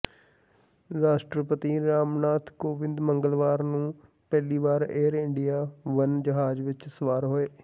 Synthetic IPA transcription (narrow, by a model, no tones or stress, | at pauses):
ɾaːʃʈɾəpət̪iɾaːmnaːt̪ʰkoːʋɪ̃nd̪məŋɡəlʋaːɾnũː | pɛːliːʋaːɾeːɾɪɳɖijaːʋənd͡ʒəɦaːd͡ʒʋɪt͡ʃsəʋaːɾɦoːeː